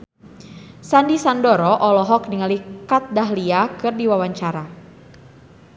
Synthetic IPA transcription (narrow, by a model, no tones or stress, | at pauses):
sandisandɔɾɔʔɔlɔɦɔk̚niŋalikat̪̚daɦliakɨrdiwawaɲt͡ʃaɾa